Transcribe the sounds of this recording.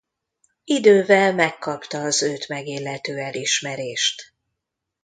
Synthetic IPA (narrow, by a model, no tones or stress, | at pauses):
id̪øːvɛlmɛkːɒpt̪ɒːzøːt̪mɛɡeːlːɛt̪øːɛliʃmɛɾeːʃt̪